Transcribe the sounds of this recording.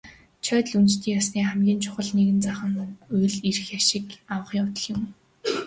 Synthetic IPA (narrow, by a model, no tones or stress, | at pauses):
t͡ɕʰœːt̪̆ɮunt͡ɕt̪ʰiːŋjasniːχæmɡʲiːnt͡ɕʰʊ̥χə̆ɮneɣɘ̆nt͡saχə̆ŋʊjɮiɾɘ̆xjaʃɪ̆kawə̆χiːŋʊt̪ə̆ɮjɪ̆m